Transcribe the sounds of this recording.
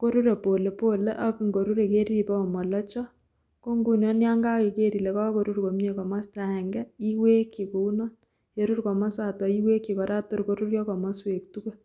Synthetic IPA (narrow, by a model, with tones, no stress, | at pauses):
ko˦ɾu˦ɾe˨po˨le˨po˦lḛ˦ʔa˦ku˨ŋɡo˨ɾu˦ɾe˨ke˦ɾi˦i˨pɔ˦˨mɔ˨lɔ˦t͡ʃɔ˦ | ko˦ŋɡu˦˨njɔ˦nja˦ŋɡa˦ke˨ke˦ɾi˨le˨kɔ˦ko˨ɾu˦ɾko˨m˦ɲe˦kɔ˨ma˦sta˨ɛ˨ŋɡɛ˦i˦we˦ki˨ko˨u˦nɔ˦n | je˦ɾu˦rkɔ˨mɔ˦sa˨tɔ˨i˦we˦kːi˨kɔ˨ɾa˦to˦ɾko˦ɾu˦rjɔ˦kɔ˨mɔ˦swe˨k̚tu˦ko˦